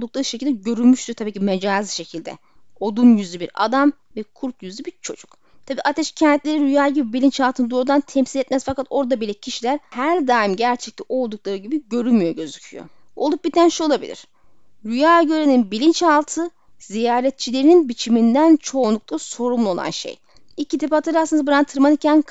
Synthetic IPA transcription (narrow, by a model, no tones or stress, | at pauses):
d̪uklˠaɾɯʃecʰilʲd̪ɛɟø̞ɾylʲmyʃt̪ʰyɾt̪ʰabiːcʰimed͡ʒaːzɯʃe̞cʰilʲd̪ɛ̰ | o̞d̪unjyzlʲibiɾa̰d̪am | vɛkʰuɾt̪jyzlʲibiɾt͡ʃʰo̞̰d͡ʒuk | t̪ʰabiːʔat̪ʰɛʃcʰɛnt̪ʰlʲe̞ɾiɾyjaːɟibibilʲint͡ʃalˠt̪ʰɯnɯd̪oɾud̪ant̪ʰɛmsilʲet̪mæzfakat̪o̞ɾd̪abilʲɛcʰiʃilʲæɾhæɾd̪aːimɟæɾt͡ʃʰɛc̚liʔo̞lˠd̪uk̚lˠaɾɯɟibiɟø̞ɾylmyjo̞ɟø̞zycʰyjo̰ | o̞lˠup̚bit̪ʰænʃuo̞lˠabḭlʲḭɾ̥ | ɾyjaːɟø̞ɾeninbilʲint͡ʃalˠt̪ʰɯ | zijaːɾɛt̪̚t͡ʃʰilʲe̞ɾininbit͡ʃʰimind̪ænt͡ʃʰo̞ːnˠuk̚t̪ʰˠaso̞ɾumlˠuo̞lˠa̰nʃḛj | icʰit̪ʰepat̪aɾɯasɯnabɯɾant̪ʰɯɾmanicʰæn